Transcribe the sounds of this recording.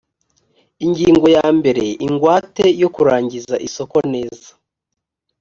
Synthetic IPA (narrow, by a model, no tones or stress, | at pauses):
iɲɟiːŋɡo̞jaːmbe̞ɾe̞iŋɡwaːte̞jo̞kuɾaːɲɟizaʔiso̞ko̞ne̞ːzḁ